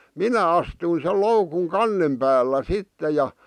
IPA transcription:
minæ ɑstui sel loukuŋ kɑnːem pæːlːæ sitːe jɑ

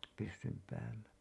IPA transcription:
pysːym pæːlːæ

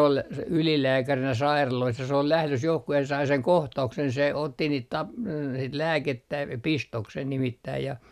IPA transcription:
ol s ylilæːkærinæ sɑirɑlois jɑ se ol læhløs johku jɑ se sɑi seŋ kohtɑuksen se otːi niːt tɑpl sit læːketːæ pistoksen nimitːæi jɑ

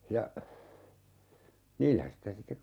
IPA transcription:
jɑ niːlːæ sitæ sitːek

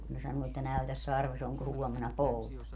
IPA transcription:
kun ne sɑnuː etːæ næytæs sɑrʋes oŋko huomenɑ poutɑ

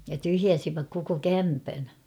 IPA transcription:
jɑ tyhjæsiʋæk koko kæmpæn

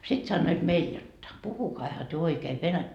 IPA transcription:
sit sɑnːoit meil jotːɑ puhukɑihɑ tyø oikeː ʋenætːæ

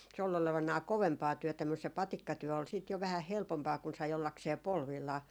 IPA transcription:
se ol oleʋɑnɑː koʋempɑː tyøtæ mus se pɑtikːɑtyø ol siːt jo ʋæhæh helpompɑː kun sɑi olːɑkseː polʋilːɑː

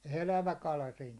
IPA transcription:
elæʋæ kɑlɑ siːn

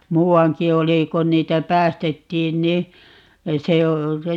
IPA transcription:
muːɑŋki oli kon niːtæ pæːstetːiːn ni se o

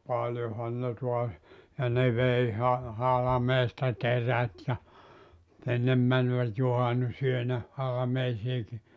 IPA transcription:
pɑljohɑn ne tuɑs jɑ ne ʋei hɑ hɑlɑ̆meːstɑ teræt jɑ enːem mænʋæt juhɑnːusyønæ hɑlɑmeisiːki

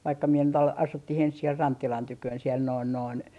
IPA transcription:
ʋɑikːɑ mie nyt ɑl ɑsutːih ens siel rɑntːilɑn tykøːn siel noin noin

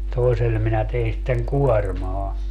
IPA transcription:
toesel minæ tein sitːeŋ kuɔrmɑː

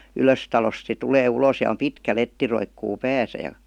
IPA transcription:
yløstɑlost se tuleː uloːs jɑ om pitkæ letːi roikːuː pæːsæ jɑ

